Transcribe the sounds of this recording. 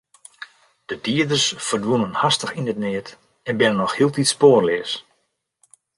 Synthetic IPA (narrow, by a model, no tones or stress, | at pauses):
d̥ədiədərsfərdʋunənhastəxinətnɪət | ɛnbɪnənːɔxhiəlˠtitspoːrlɪəs